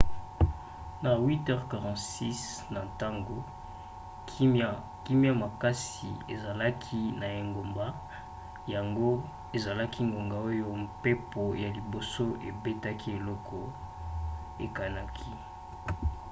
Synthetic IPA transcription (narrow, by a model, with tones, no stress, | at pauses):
na˨wi˦tɛ˦ʁka˨ʁɑ̃˨tsi˦s | na˨ta˦ŋɡo˦ | ki˦mja˦ma˨ka˦sḭ˨ḛ˨za˨la˦kʰi˦na˨e˨ŋɡo˨mba˦ | ja˨ŋɡo˦ | e˨za˨la˦ki˦ŋɡo˨ŋɡa˨o˦jo˦mpe˦po˨ja˨li˨bo˨so˦ʔe˨be˦ta˦kʰi˦e˨lɔ˦kʰɔ˨ | e˨ka˨na˦kʰi˦